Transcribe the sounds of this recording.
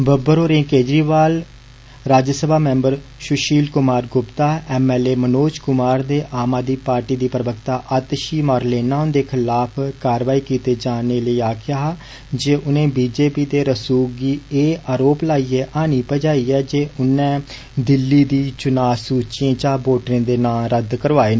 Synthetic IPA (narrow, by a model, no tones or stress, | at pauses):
bəbəɾoːɾẽːkeːd͡ʒɾiːʋaːl | ɾaːd͡ʒəsəbʱaːmɛ̃ːmbəɾ | ʃʊʃiːlkʊmaːɾɡʊpt̪aːɛːmɛːleːmənoːt͡ʃkʊmaːɾd̪eːʔaːmaːd̪iːpaːɾʈiːd̪iːpɾəbəkt̪aːʔət̪ʃiːmaːɾleːnaːʊnd̪eːkʰɪlaːpʰkaːɾʋaːiːkiːt̪eːd͡ʒaːneːləiːaːkʰɪjaːɦ | d͡ʒeːʔʊnẽːbiːd͡ʒeːpiːd̪eːɾəsuːɡiːeːaːɾoːplaːiːɛːʔaːniːpəd͡ʒaːiːɛːd͡ʒeːʔʊnɛ̃ː | d̪ɪlːiːd̪iːt͡ʃʊnaːsuːt͡ʃɪẽːt͡ʃaːboːʈɾẽːd̪eːnãːɾəd̪kəɾʋaːeːnː